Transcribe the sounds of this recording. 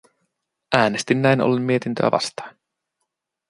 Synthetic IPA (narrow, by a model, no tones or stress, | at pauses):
ʔæːnest̪inːæjno̰lːummie̞t̪int̪ø̰æ̰ʋʔɑ̰st̪ɑ̥in